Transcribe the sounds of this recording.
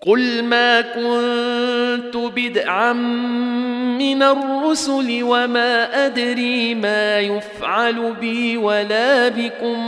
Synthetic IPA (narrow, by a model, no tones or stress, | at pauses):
qʊlmaːkʊn | t̪ʊbɪd̪ʕamː | ɪnarˤːʊsʊlɪwamaːʔad̪ɾiːmaːjʊfʕalʊbɪːwalaːbɪkʊm